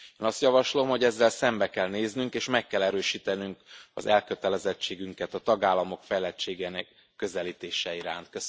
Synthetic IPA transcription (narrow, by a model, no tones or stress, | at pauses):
eːnɒst̪jɒvɒʃlo̞mho̞ɟɛzːɛlsɛmbɛkɛlneːznyŋkeːʃmɛkːɛlɛɾøːʃiːt̪ɛnyŋkɒ̰zɛlkø̞t̪ɛlɛzɛt͡ʃːeːɡyŋkɛt̪ɒt̪ɒɡaːlːɒmo̞kfɛjlɛt͡ʃːeːɡɛːnɛkː | ø̞zɛliːt̪eːʃɛiɾa̰ːnt̪̚kø